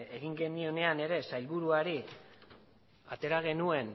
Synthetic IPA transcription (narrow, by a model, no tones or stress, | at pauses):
eɣiŋɡe̞nio̞ne̞ane̞ɾe̞sajlβuɾuaɾi | a̰t̪e̞ɾaɣ̞e̞nue̞n